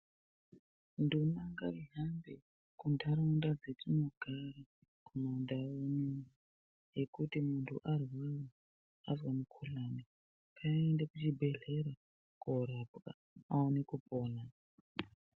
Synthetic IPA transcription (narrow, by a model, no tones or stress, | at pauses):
ndunaŋɡaiɦambe | kundʱaɾaundad͡zetʰimuɡʱari | komaundaoni | jekutimuntʰṵʔarwawo | azwamukʰulane | pʰaendekut͡ʃibʱe̞ɮeɾa | koɾaapka̰ | aonekupoːna